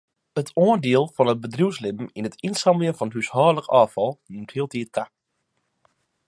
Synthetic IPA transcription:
ətʰoəndiəlˠfɔnət̚bədruwslɪbm̩inətinsɑmljənfɔnɦyshɔːləkɑːfɑlˠnymthiːlˠtʰiət̚ka

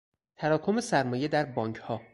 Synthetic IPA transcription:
t̪ʰæɾɒːkʰo̞mesæɾmɒːje̞d̪æɾbɒːŋcʰhɒː

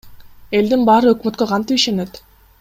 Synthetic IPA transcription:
e̞ld̪inbɑːɾɯøkmøt̪køqʰɑnt̪ipiʃenet̪

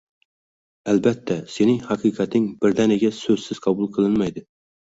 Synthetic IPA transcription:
ælbɛt̪ʰːɛsenɪŋhɑqʰɨqʰæt̪nɪŋbɪɾd̪ɛneɡʲɛsɵz̥sɪz̥qʰɑbulˠqʰəlˠɪnmɛjd̪ɪ

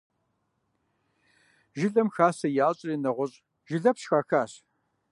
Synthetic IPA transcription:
ʒɪɮɐmxaːsɐjaːɕʼriːnɐʁʷɔɕʼ | ʒ̥ɪɮɐpʃxaːxaːɕ

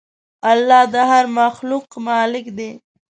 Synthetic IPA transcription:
alːɑd̪əɦaɾmaxluqmɑlɪkd̪e

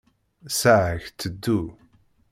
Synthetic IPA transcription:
saçt̪ʰːəd̪u

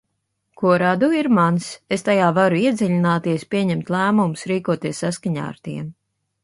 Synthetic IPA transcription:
kuɔɾad̪uiɾmansest̪ajaːvaɾuiɛd̪zʲiʎʲinaːt̪iɛspʲiɛɲɛmt̪ʲlˠæːmumusɾiːkuɔt̪iɛsːaskaɲa̰ːa̰ɾt̪iɛm

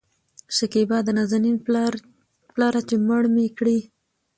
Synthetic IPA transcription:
ʃakibɑd̪ənazani | plɑɾat͡ʃeməɽmekɽi

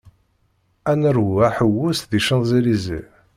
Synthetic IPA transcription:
ænəɾhæħəwːusðiʃənzilizḭ

